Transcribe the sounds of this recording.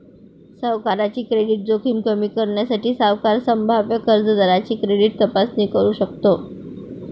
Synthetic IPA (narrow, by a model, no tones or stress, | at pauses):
səʋkaɾat͡ɕiːkɾeɽiːʈ̚d͡zokʰimkəmiːkəɾɳjasaʈiːsaʋkaɾsəmbʱaʋjəkəɾd͡zəd̪aɾat͡ɕiːkɾeɽiːʈ̚t̪əpasniːkəɾuːɕək̚t̪o